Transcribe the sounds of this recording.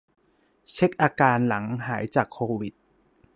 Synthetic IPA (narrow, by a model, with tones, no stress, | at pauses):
t͡ɕʰe˦˥k̚ʔaː˧kaː˧nla˩˦ŋɦaː˩˦jt͡ɕaː˨˩kʰːoː˧wi˨˩t̪̚